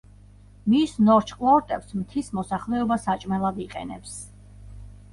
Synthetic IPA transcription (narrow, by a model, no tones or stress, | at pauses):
misnɔɾt͡ʃʰkʼlˠɔɾt̪ʼɛpsmt̪ʰismɔsaχlɛɔbasat͡ʃʼmɛlˠad̪iqʼɛ̰nɛps